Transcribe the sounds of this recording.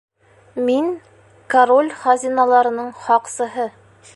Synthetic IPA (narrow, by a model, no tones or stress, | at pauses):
miŋ | kaɾolʲχɑzʲinalˠɑɾɤ̆nɤɴχɒqsɤ̆ɦɤ